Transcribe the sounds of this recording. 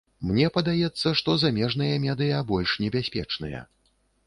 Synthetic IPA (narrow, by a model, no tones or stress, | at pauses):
mnʲɛpɐd̪ajɛt̪sːɐʂt̪ɔzamʲɛʐnɐjɐmʲɛd̪ɨjɐbɔlʲʂnʲɛbʲasʲpʲɛt͡ʂnɐjɛ̰